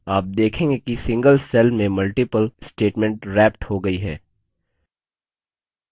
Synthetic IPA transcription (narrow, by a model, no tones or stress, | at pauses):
aːp̚d̪eːkʰẽːŋɡekisɪ̃ŋɡəlsɛlmẽmɐlʈɪpəlsʈeːʈmɛ̃ɳʈɾɛːp̚ʈhoɡɐiɦɛː